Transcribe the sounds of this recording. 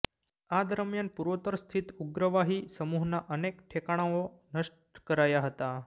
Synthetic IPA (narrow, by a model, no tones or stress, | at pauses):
ad̪əɾmjanpuɾʋot̪əɾst̪ʰit̪uɡɾəʋaɦisəmuɦnaʔənekʈʰekaɽ̃aʋo | nəʂʈ̚kəɾajaɦət̪a